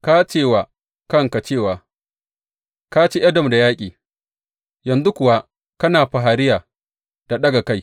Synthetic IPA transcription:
ka˦t͡ʃeː˦˨waː˨ | kɐ˦ŋka˨t͡ʃeː˦˨waː˨ | ka˦t͡ʃe˦ʔɐ˦dɐ˨mda˨jaː˦kʲʼiː˨ | jɐ˨nzu˦kʷʊ˨wa˦ | kɐ˦naː˨ɸa˨ɦa˨ɾɪ˦jaː˨ | d̥a˨ɗɐ˦ɡa˨ka˦j

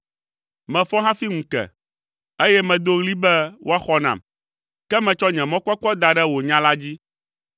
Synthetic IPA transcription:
mɛ̃˨fɔ˦ɦã˦fi˦ŋũ˨kɛ̰˨ | e˦jɛ˦mɛ̃˨d̪o˦ɣli˦bɛ˦wʔo˦a˦xɔ˦nã̰˨m | kɛ˦mɛ̃˨t͡ʃɔ˦ɲɛ̃˨mɔ̃˦k͡pɔ˦k͡pɔ˦d̪a˨ɖɛ˦wo˨ɲã˦la˦d͡ʑi˦

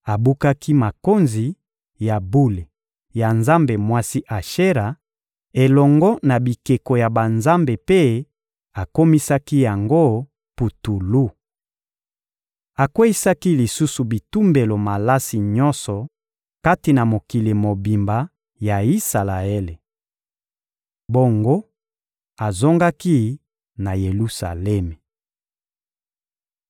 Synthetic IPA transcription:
a˨bu˦ka˦ki˦ma˨ko˦nzi˨ | ja˨bu˦le˨ | ja˨nza˦mbe˨mwa˦si˦ʔa˨ʃe˦ʁa˨ | e˨lɔ˨ŋɡɔ˦na˨bi˨ke˨ko˨ja˨ba˨nza˦mbe˨pe˦ | a˨ko˦mi˦sa˦ki˦ja˨ŋɡo˦ | pu˨tu˨lu˦ | a˨kwe˦i˦sa˦ki˦li˨su˦su˨bi˨tu˦mbe˨lo˨ma˨la˦si˨ɲɔ̃˦nsɔ˨ | ka˦ti˨na˨mo˨ki˨le˨mo˨bi˨mba˨ | ja˨i˦sa˨la˨e˦le˨ | bo˦ŋɡo˦ | a˨zo˦ŋɡa˦ki˦ | na˨je˨lu˦sa̰˨lɛ˦me˨

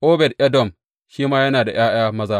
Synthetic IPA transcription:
ʔoː˦bɛ˨dʔɛ˦dɔ˨m | ʃiː˦maː˦jɐ˦naː˨da˨j̰aː˦j̰aː˦mɐ˦zaː˦

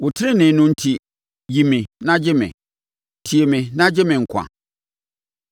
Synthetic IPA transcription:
wʊ˨tʰɪ˦ɪ˦nɪ̃˨nʊ̃˦n̩˦tʰi˦ | ji˨mɪ̃˨nã˦d͡ʑɪ˦mɪ̰̃˨ | tʰi˨e˨mɪ̃˨nã˦d͡ʑɪ˦mɪ̃˨ŋ̩˨kʷʰã̰˨

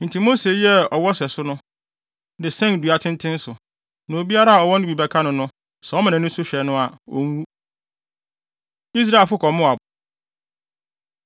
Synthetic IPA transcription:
n̩˨tʰi˨mo˦se˨jɛ˦ɔ˨wɔ˦sɛ˨sʊ˦nʊ̃˦ | dɪ˨sɛ̃˦n˨du˨a˨tʰɪ̃˦n˦tʰɪ̃˦n̩˦sʊ˨ | nã˨o˨bi˦a˦ɾa˦a˨ɔ˨wɔ̃˦ñ˦i˨bɛ˨kʰa˦nʊ̃˨nʊ̃˦ | sɛ˨ɔ˦mã˨nã˨nʊ̃˦sʊ˦ɕᶣɛ˨nʊ̃˦a˨o˦ŋ˦wu˦ | i˦s̬ɾa˦˨e˨lfʊ˦kʰɔ˨mʊ̃˦a˨

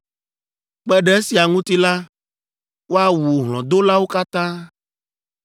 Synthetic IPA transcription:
k͡pɛ˦ɖɛ˨e˦si˨a˨ŋũ˦t̪i˦la˦ | wo˦a˨wu˨ɦlɔ̰̃˨d̪o˦la˦wo˦ka˦t̪ã˦

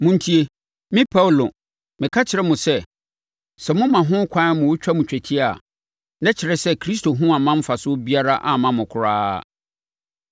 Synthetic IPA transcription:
mʊ̃˨n˦tʰi˦e˨ | mɪ̃˦pʰa˦wlo˨ | mɪ̃˨kʰa˦t͡ɕʰɪ˨ɾɛ˦mʊ̃˨sɛ˦ | sɛ˨mʊ̃˦mã˨ɦʊ̃˦kʷʰã˦mʊ̃˨wo˦t͡ɕᶣa˦mʊ̃˨t͡ɕᶣɛ˨tʰi˦a˨ | nɛ̃˦t͡ɕʰɪ˨ɾɛ˦sɛ˦kʰɾi˦s̬to˨ɦʊ̃˦a˨mã˦m̩˦fa˨sʊ˦bi˦a˦ɾa˦ʔa˨mã˨mʊ̃˨kʰʊ˨ɾaː˦˨

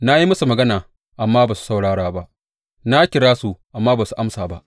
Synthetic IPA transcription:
na˦ji˦mɐ˦su˨mɐ˨ɡɐ˦naː˨ | ʔa˨mːaː˦baː˨su̥˦sa˦wɽaː˦ɽaː˦ba˦ʔ | na˦kʲɪ˨ɽaː˦su˨ʔa˨mːaː˦baː˨su˨ʔa˦msaː˨ba˦ʔ

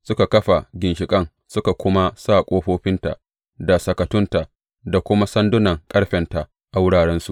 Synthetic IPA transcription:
sʊ˦ka˨kɐ˦ɸa˨ɡʲɪ˨nʃɪ˨kʼɐ˦ŋ | sʊ˦ka˨kʷʊ˦ma˦saː˦˨kʷʼoː˦ɸoː˦ɸɪ˦nta̰˨ | da˨sɐ˨kɐ˨tʊ˦nta˨ʔ | da˨kʷʊ˦ma˦sɐ˦ndʊ˦nɐ˨ŋkʼɐ˦ɽɸɛ˨nta˨ | ʔa˨wʊ˦ɽaː˨ɽɛ˦nsu˨

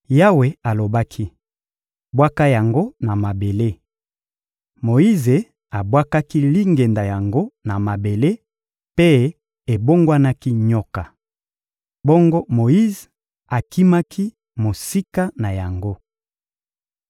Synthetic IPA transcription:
ja˦we˨a˨lo˨ba˦kʰi˦ | bwa˦ka˦ja˨ŋɡo˦na˨ma˨be˨le˦ | mo˨i˦ze˨ | a˨bwa˦ka˦ki˦li˦ŋɡe˨nda˨ja˨ŋɡo˦na˨ma˨be˨le˦ | pe˦ | e˨bo˦ŋɡwa˦na˦ki˦ɲɔ˦ka˨ | bo˦ŋɡo˦mo˨i˦z | a˨ki˦ma˦ki˦ | mo˨si˦ka˦na˨ja˨ŋɡo˦

